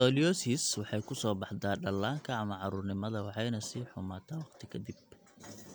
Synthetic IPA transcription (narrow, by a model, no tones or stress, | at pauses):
ɔːlijɔːsiːswɑħɑjkʰʊsɔːbɑħd̪aːɖɐlːaːŋkʰɐɐmɐʕɑɾʊrnɪmɐðɐwɑħɑjnɐsiːħʊmaːt̪ʰɐwɑqt̪ʰɪkʰɐd̪ib̚